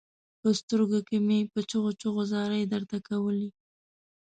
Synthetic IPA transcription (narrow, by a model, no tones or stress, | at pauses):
pəst̪əɾɡokemepət͡ʃʊɣot͡ʃoɣozɑɾəjd̪aɾt̪akawəli